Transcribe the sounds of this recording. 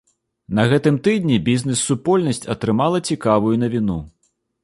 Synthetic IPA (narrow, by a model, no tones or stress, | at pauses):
nɐɣɛt̪ɨmt̪ɨd̪ʲnʲibʲiznʲɛsːupɔlʲnɐsʲt͡sʲɐt̪ɾɨmalˠɐt͡sʲikavujun̪ɐvʲinu